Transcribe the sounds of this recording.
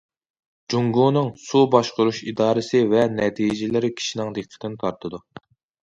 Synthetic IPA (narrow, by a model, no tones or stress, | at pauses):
d͡ʒuŋɡunɨŋsubɑʃqʊɾuʃid̪ɑːɾɨsɪvɛnɛt̪ʰijd͡ʒɪlɪɾɪkʲʰi̥ʃinɪŋd̪eqʰːə̥t̪ɪnt̪ʰɑɾt̪ʰɨd̪u